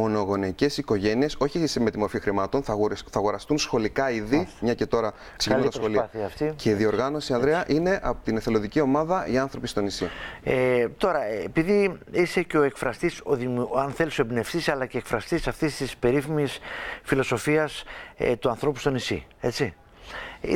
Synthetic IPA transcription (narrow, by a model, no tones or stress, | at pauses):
mo̞no̞ɣo̞neice̞siko̞ʝe̞nie̞so̞çiseme̞t̪imo̞ɾfixɾimɐt̪o̞nθɐθɐɣo̞ɾɐst̪unsxo̞likɐiðimɲɐce̞t̪o̞ɾɐ | ksecnɐxoliθiɐft̪iceiðio̞ɾɣɐno̞siɐnðɾeɐʔine̞ʔɐpot̪ineθelo̞ðicio̞mɐðɐʔiɐnθɾo̞pist̪o̞nisiet̪o̞ɾɐepiðiise̞ceo̞e̞kfɾɐst̪isoðimɐnθe̞lisoebne̞fθisɐlɐce̞ːkfɾɐst̪isɐft̪ist̪ispe̞ɾiθimisfilo̞so̞fiɐst̪uɐnθɾo̞pu̥st̪o̞nisḭe̞t͡si